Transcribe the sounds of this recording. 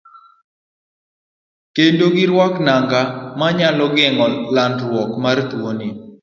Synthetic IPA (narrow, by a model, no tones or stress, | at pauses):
kendoɡɪɾwaknaŋɡamaɲalɔɡɛŋɔlandɾwɔkmartwoni